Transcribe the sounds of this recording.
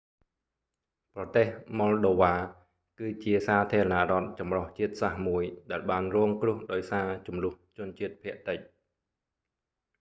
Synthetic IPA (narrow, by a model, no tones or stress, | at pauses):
prɑt̪eːhmɔlɗoːʋaː | kɨːt͡ɕiəsaːt̪ʰiəɾɑnaʔrŏət̪̚t͡ɕɑmroht͡ɕiət̪̚sahmuəjɗaɛlɓaːnrɔːŋkrʊ̆əhɗaɔjsaːt͡ɕumlʊ̆əht͡ɕʊ̆ənt͡ɕiət̪̚pʰĭəʔt̪əc̚